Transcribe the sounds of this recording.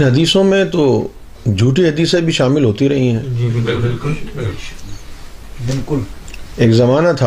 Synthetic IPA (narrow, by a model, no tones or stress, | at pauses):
nɦɐd̪iːsõmẽt̪o | d͡ʒʱuːʈiɦɐd̪iːsebʱiʃaːmɪlɦoːt̪iɾɐɦĩɦɛ̃ːɪlkl | bɪlkʊleːkzɐmaːnat̪ʰa